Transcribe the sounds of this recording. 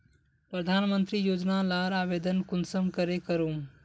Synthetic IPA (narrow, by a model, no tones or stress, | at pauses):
pɾəd̪ʱaːnmənt̪ɾijoːd͡ʒnalaːɾaːbeːd̪ənkʊnsəmkəɾekəɾoːm